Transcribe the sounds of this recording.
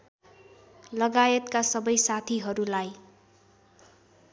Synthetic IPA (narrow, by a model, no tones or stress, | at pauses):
lʌɡajʌt̪kasʌbʌjsat̪ʰiɦʌɾulaj